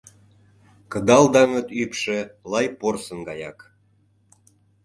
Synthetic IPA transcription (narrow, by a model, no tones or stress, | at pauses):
kə̆d̪ɑld̪ɑŋɤ̆t̪ypʃĕlɑjporsənɡɑjɑ̰k